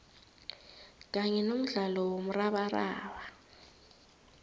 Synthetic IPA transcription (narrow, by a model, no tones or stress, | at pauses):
k̬ʼaɲɛnom̩ɮalɔwom̩raɓara̰ːɓa